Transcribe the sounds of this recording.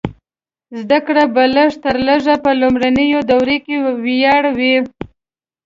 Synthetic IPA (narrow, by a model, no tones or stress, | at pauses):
zd̪akɽabaləʐt̪əɾləʒapəlʊmɾanəjod̪awɾekewjɑɽawi